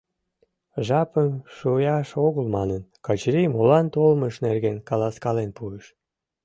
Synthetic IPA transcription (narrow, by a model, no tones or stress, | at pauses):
ʒɑpənʃujɑʃoɣəlmɑnənkɑt͡ɕɾimolɑnt̪olməʃnerɣenkɑlɑskɑlenpueʃ